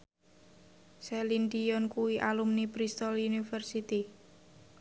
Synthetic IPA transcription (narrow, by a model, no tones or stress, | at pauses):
sɛlind̪iɔnkuwiʔalumnipɾist̪ɔlunifərsit̪i